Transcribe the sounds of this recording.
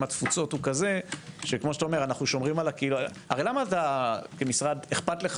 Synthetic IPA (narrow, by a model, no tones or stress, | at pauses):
mat̪fut͡so̞tukaze̞ʃekmoʃet̪aomeanaχnuʃo̞mʁimalakeiːlua | aʁelamaːt̪akemisʁad̪eχpat̪leχ